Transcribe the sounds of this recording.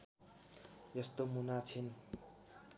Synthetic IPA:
jʌst̪omunat͡sʰin

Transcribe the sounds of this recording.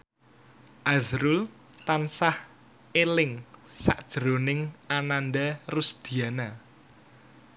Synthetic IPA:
ʔazɾul | t̪ansah | elɪŋsa̰ʔd̥ʒ̥ɾo̤nɪŋananɖarusd̪̥i̤ana

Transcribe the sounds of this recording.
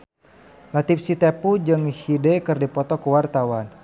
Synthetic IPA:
lat̪ip̚sit̪epud͡ʒɨŋhidɛkɨrdipɔt̪ɔkuwart̪awan

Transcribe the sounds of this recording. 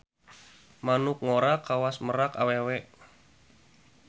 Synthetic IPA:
manʊk̚ŋoɾakawasməɾaka̰wewɛʔ

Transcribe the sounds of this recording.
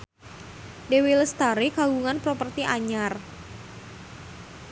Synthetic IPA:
dewiləst̪aɾikaɡuŋanpɾɔpərt̪iʔaɲar

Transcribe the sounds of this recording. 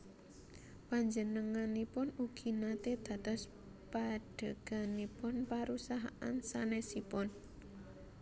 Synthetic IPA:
paɲd͡ʒənəŋanːipʊnuɡ̥inat̪ed̪̥ä̤t̪ɔs | paɖ̥ə̤ɡ̥a̤nipʊnpaɾusaɦaʔa̰nsanesipʊn

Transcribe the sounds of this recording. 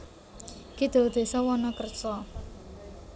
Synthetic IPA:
kid̪̥o̤d̪̥e̤sɔwɔnɔkərt͡ʃɔ

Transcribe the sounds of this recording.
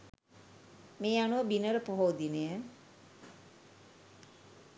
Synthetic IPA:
meːanuʋəbinəɾəpoɦoːd̪inəjə

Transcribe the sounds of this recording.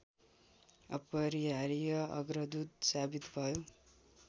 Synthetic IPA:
ʌpʌɾiaɾijʌʌ̰ɡɾʌd̪ud̪̚sabit̪bʱʌjo

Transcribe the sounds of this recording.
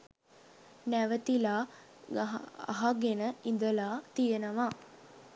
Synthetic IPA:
næʋət̪ilaː | a̰ɦaɡenəind̪əlaːt̪ijənəʋa

